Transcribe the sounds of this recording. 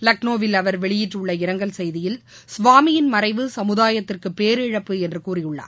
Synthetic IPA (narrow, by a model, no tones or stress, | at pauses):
lɐk̚noːʋɪlɐʋɐɾʋɛɭɪjɪʈrʊɭːɐɪɾɐŋɡɐɭsɛjðɪjɪl | sʊʋaːmɪjɪnmɐɾɐɪʋɯsɐmɯðaːjɐt̪ːɪrkɯpːeːɾɪɻɐpːɯɛndrɯkuːrɪjɯɭːa̰ː